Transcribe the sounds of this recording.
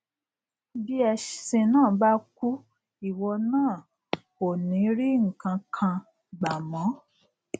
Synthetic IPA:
bi˦ɛ˧ʃsĩ˧nãː˦˨ba˦ku˦ | i˨wɔ˧nãː˦˨ | o˨nĩ˨˦ɾi˦ŋ̩˨kã˧kʰã˧ | ɡ͡ba˨mɔ̃˨˦

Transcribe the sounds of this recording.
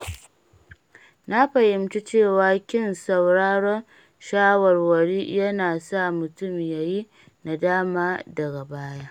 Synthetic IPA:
na˦ɸɐ˨jɪ˨mt͡ʃi˦t͡ʃeː˦˨waː˨˦kʲɪ˦nsɐ˨wɽaː˦ɽɔ˦n | ʃaː˦wɔ˨rwɐ˨ɽiː˦jɐ˦naː˨sa˦mʊ˨tʊ˦˨mjaː˨ji˦ | na˨daː˦maː˦dɐ˨ɡa˨baː˦ja˦ʔ

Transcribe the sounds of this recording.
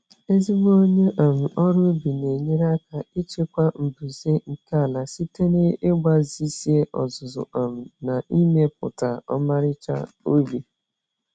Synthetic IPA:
e˦zi˦ɡ͡bʷo˦ɲe˦ʔa˨m̩˨ɔ˦ɾʊ˦bi˨ne˨ɲe˦ɾa˦ka˨i˦t͡ʃe˦kʷa˦m̩˨bu˨ze˦ŋ̩˨ka˦a˨la˨si˦te˦ne˦ɪ˦ɡ͡ba˦zi˦si˦e˦ʔɔ˨zʊ˨zʊ̰˨a˨m̩˨na˨i˦me˦pʊ̰˨ta˨ɔ̰˦ma˦ɾɪ˦t͡ʃa̰˦ | o˦bi˨

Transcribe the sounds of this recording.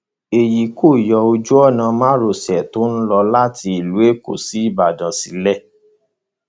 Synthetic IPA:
e˨ji˨ko˦˨jɔ˧o˧d͡ʒu˦ɔ˦˨nã˧mã˦ɾo˨sɛ˨to˨˦n̩˦lɔ˧la˦ti˧i˨lu˨˦e˦˨ko̰˨si˨˦i˦˨ba˨dã˨˦si˧˦lɛ˦˨

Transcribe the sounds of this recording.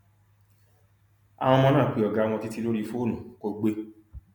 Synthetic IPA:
a̰˨w̃ɔ̃˧mɔ̃˦˧nãː˦˨k͡pi˨˦ɔ˨ɡa˨˦˧w̃ɔ̃˧ti˦ti˦lo˦ɾi˧fo˦˨nũ˨ko˧ɡ͡be˧

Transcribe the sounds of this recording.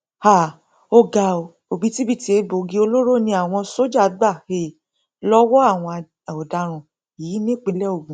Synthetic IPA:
ha˨ | o˧ɡa˨o˨ | o˨bi˨˦ti˦bi˦˨ti˨˧e˧bo˨ɡi˧˦o˧lo˦ɾo˦˨nĩ˧˦a˦˨w̃ɔ̃˧so˦d͡ʒa˦˨˦ɡ͡ba˦˨he˧˨ | lɔ˦wɔ˦a˦˨w̃ɔ̃˧˨ | o˨da˧ɾ̃ũ˨ | i˨i˨˦nĩ˦˨k͡pĩ˧˦lɛ˦o˦˨ɡũ˨

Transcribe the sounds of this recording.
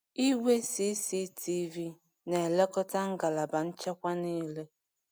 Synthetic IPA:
i˦we˦si˨˦si˦tʰi˦vi˦ | ne˨e˨le˦kɔ˦ta˦ŋ̩˦ɡa˨la˨ba˨n̩˦t͡ʃe˦kʷa˦ni˦le˦

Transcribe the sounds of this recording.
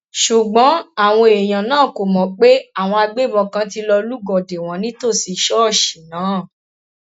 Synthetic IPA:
ʃu˨ɡ͡bɔ̃˨˦a˦˨w̃ɔ̃˧e˨j̃ã˨nãː˦˨ko˨mɔ̃˨˦k͡pe˦a˦˨w̃ɔ̃˧a˧ɡ͡be˦˨bɔ̃˧kã˧˦ti˧lɔ˧lu˦ɡɔ˨de˨w̃ɔ̃˨˦nĩ˦to˦˨si˨˧˦ʃɔ˦˨ʃi˨nãː˨˦˨

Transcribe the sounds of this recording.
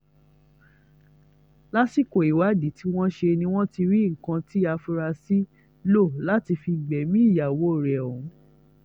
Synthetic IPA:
la˦si˦˨ko˨i˨wa˨˦di˨˦ti˦w̃ɔ̃˦ʃe˧nĩ˧w̃ɔ̃˦ti˧ɾi˦ŋ̩˨kã˧ti˦a˧fu˧ɾa˧si˦ | lo˦˨la˦ti˧fi˧ɡ͡bɛ˨˦mĩ˦i˦˨ja˨wo˨˦˨ɾɛ˨ũ˨˦

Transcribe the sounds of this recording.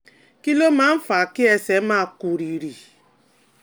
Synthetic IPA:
ki˦lo˦ma˨˦m̩˦fa˨kɪ˦e˨se˨˦ma˦˨ku˨ɾi˨ɾi˨

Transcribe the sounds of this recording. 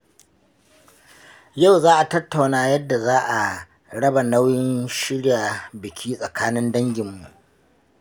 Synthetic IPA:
ja˦˨wzaː˦ʔa˨tɐ˦tːa˨wnaː˦jɐ˦dːa˨zaː˦ʔa˨ | ɽɐ˦ba˨na˦wjɪ˦nʃɪ˦ɽja˨bɪ˨kʲʰiː˦sʼɐ˨kʰaː˦nɪ˦ndɐ˦ŋɡʲɪ˨mːu˨ʔ

